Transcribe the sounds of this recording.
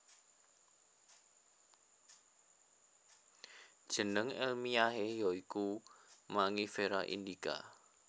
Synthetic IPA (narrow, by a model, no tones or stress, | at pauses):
d̥ʒ̥ə̤nəŋɛ̰lmiaɦejɔikumaŋifeɾaʔḭndika̰